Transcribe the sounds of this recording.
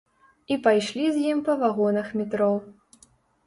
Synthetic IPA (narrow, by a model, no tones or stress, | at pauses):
ipajʂlʲizʲjimpɐvaɣɔnɐxmʲit̪ɾɔw